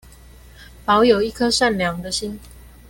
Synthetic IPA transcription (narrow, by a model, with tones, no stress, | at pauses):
pɑ˨˦ʊjo˨˩ʊi˥˨kʰɤ˦ʂa˥˨nljɑ˨˦ŋd̪ə˨ɕi˦n